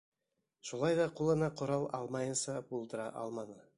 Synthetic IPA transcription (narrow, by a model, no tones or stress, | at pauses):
ʃulˠɑjd̪ɑqulˠɤ̆nɑqʰŏɾɑlˠɑlˠmɑjɤnsɑbulˠd̪ə̆ɾɑ̰ʔɑ̰lˠmɑnɤ